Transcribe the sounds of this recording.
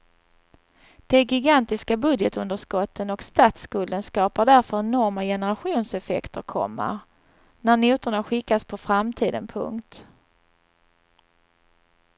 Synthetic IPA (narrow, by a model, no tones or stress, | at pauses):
d̪̥ɛːɡɪɡant̪ɪskabɵd̪jɛt̪ɵnd̪əʂkɔt̪ʰːənɔkst̪at̪skɵld̪ənskɑːpaɖæɾfœɾɛnɔɾmajɛnəɾaɧuːnsɛfɛ̰kt̪əɾkʰɔ̰mːə̰ɾ | næɾnuːt̪ʊɳaɧɪkːaspʰɔfɾamt̪ʰiːd̪ə̰npʰɵ̰ŋkt̪